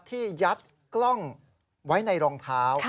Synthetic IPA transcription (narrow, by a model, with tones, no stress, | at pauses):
t̪ʰːiː˥˩ja˦˥t̪̚ | klɔ˥˩ŋ | wa˦˥jna˧jɾɔː˧ŋt̪ʰaː˦˥w